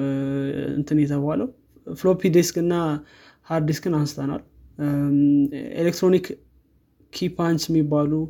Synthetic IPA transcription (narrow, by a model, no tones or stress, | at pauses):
ɨ̰nt̪ʰɨnjɛt̪ʰəbaləw | flopid̪eskɨnːa | haɾd̪iskɡɨnanst̪ʰəna̰l | ḛlekt̪ɾonik | kʰːipʰant͡ʃɛmːibːalu